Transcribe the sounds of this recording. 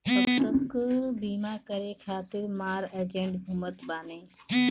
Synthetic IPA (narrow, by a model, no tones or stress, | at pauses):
ɐt̪əkbiːmaːkəɾekʰaːt̪ɪɾmaːɾed͡ʒẽɳɖbʱumət̪baːnẽː